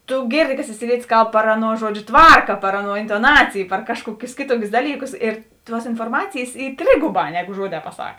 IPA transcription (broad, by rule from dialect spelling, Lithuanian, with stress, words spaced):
tʊ ˈɡʲeːrʲˌdʲɪ kɐ sʲɪt͡sʲɪˈlʲiɛtʲɪs ˈkɐlˠp pɐr ˈɑːˌnuɔ ˈʒuɔd͡ʒʲʊ ˈtʋɐrkɐ pɐr ˈɑːˌnuɔ ɪntoːˈnɑːt͡sʲɪj pɐr ˈkɑːʃˌkuɔkʲʊs ˈkʲeːˌtuɔkʲʊs ˈdɑːlʲiːˌkʊs ɪr ˈtuɔs ɪnfoːrˈmɑːt͡sʲeːjeːs ˈiː ˈtʲrʲeːɡʊˌbɑː ˈnʲæːˌɡʊ ˈʒuɔˌdʲɛː pɐˈsɐk